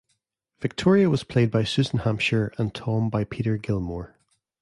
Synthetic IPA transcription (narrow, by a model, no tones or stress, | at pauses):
v̥ɪk̚tʰɔɹiəwɔz̥pʰl̥ed̚baɪsʉzə̃n̩hãmpʃə˞ə̃ntʰɔ̃mbaɪpʰiʔə˞ɡɪlˠməɹ